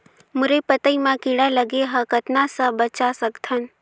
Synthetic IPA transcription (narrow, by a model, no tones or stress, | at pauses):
mʊɾepət̪əimãkiɽaləɡeɦə̃kət̪nasəbət͡ʃasəkt̪ʰən